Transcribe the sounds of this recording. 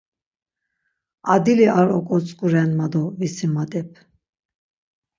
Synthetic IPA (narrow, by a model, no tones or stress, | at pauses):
ad̪iliʔaɾɔkʼɔt͡sʼkʼuɾɛnmad̪ɔvisimad̪ɛp̚ʰ